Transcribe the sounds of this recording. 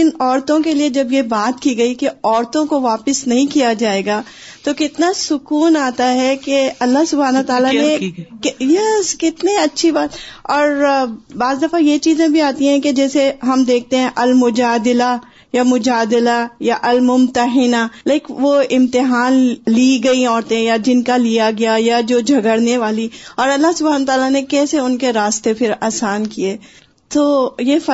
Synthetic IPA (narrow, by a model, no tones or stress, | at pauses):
ɪnɔːɾt̪õkelied͡ʒɐbjebaːt̪kiɡɐikeɔːɾt̪õkoʋaːpɪsnɐɦĩkijad͡ʒaːeːɡaː | t̪okɪt̪nasʊkuːnaːt̪aɦɛkeɐlːaɦsʊbʱaːnot̪aːlanẽkjɛskɪt̪niɐtːʃʰibaːt̪ɔːɾbaːzd̪ɐfajet͡ʃiːzẽbʱiaːt̪ĩɦɛ̃ked͡ʒɛːseɦɐmd̪eːk̚ʰt̪eɦɛ̃ʔɐlmʊd͡ʒaːd̪ɪla | jamʊd͡ʒaːd̪ɪlajaʔɐlmʊmt̪əɦɪnalaɪkʋoɪ̃mt̪ɪɦaːnliɡɐiɔːɾt̪ẽjad͡ʒɪnkalijaɡɐjajad͡ʒoːd͡ʒʱɐɡəɽneʋaːliɔːɾɐlːaɦsʊbʱaːnət̪aːlanekɛːseʊnkeɾaːst̪epʰɪɾaːsaːnkieː | t̪oːjefɐ